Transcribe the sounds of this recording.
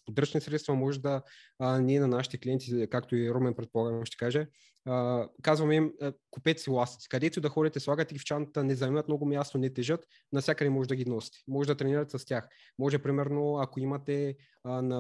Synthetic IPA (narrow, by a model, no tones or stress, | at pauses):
pod̪ɾɤt͡ʃnisɾɛt̪st̪vɐmɔʒɛd̪ɐniɛnɐnaʃi̥t̪ɛkliɛnt̪ikakt̪oiɾomɛnpɾɛt̪̚polˠaɡnʃt̪ɛ̥kaʒɛ | kazvɐmɛimkupɛt̪silˠast̪i̥t̪si̥kɐd̪ɛt̪iud̪ɐxɔɾit̪ɛslˠaɡət̪ɛɡʲift͡ʃant̪ənɛzɐɛmɐt̪mnɔɡʊmjast̪onɛt̪ɛʒɤt̪ | nɐsʲjakəd̪ɛmɔʒɛd̪ɐɡʲinɔsi̥t̪ɛ̥mɔʒɛd̪ɐt̪ɾɛniɾɐt̪ɛsɐstʲjax | mɔʒɛpɾimɛɾnoɐkoimɐt̪ɛ | nɐ